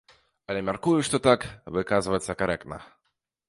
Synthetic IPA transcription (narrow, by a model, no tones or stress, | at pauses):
ɐlʲɛmʲarkujuʂt̪ɔt̪akvɨkazɨvɐt̪sːɐkaɾɛk̚t̪nɐ̰